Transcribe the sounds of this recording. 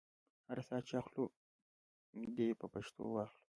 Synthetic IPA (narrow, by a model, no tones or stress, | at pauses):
haɾsɑːt͡ʃaxlu | d̪epəpaʃt̪ʰo̰wɑxlu̥